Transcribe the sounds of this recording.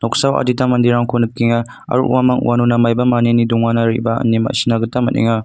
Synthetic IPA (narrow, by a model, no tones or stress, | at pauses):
nɔksawa̰ditamɐndiɾaŋkʰonɯp̚kːiŋa | ɐ̰ɾṵʔṵwamɐŋṵwanunamajbɐmaneniduŋanaɾḭbɐɐ̰nima̰sinaɡɯtamɐ̰tnḭŋa